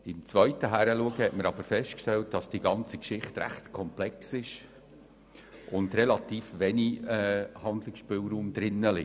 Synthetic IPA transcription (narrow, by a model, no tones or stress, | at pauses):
ɪmt͡svœʏtəɦæɾəluəɡəhɛtməɾɑb̥əɾfɛʃtkʃtɛlt̚d̥ɑsd̥iɡɑnt͡sikʃɪχtɾæ̰χtkʰɔmplɛksɪʃ | ʔʊndɾɛlɑtiːfʋɛniɛhɑnd̪lɪksʃpɪːlɾuːmd̪ɾɪnːəlɪ